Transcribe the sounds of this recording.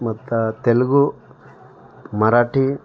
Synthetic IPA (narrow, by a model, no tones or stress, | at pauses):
mɐt̪ːut̪elɡu | mɐɾaːʈi